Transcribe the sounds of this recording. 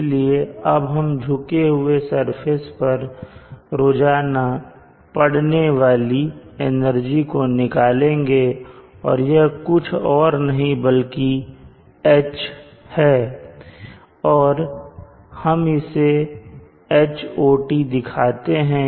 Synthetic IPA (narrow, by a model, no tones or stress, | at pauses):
lieɐbɦɐmd͡ʒʱʊkeɦʊesɐɾpʰespɐɾ | ɾoːd͡ʒaːna | pɐɽneʋaːliɪnəɾd͡ʒikonɪkaːlẽːŋɡeː | ɔ̰ːɾjɐkʊt͡ʃʰɔːɾnɐɦĩbɐlki | ɛːt͡ʃ | hɛː | ɔːɾ | hɐmɪse | eːt͡ʃoːʈid̪ɪkʰaːt̪eɦɛ̃ː